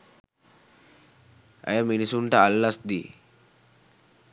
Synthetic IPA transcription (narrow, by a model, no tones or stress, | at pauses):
a̰jaminisuɳʈaːlːasd̪i